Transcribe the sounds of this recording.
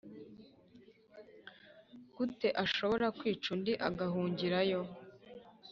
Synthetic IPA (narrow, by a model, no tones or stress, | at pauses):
ɡ̥ute̞ʔaʃo̞βo̞ɾakwiːt͡ʃundiʔaɡaɦuːɲɟiɾajo̞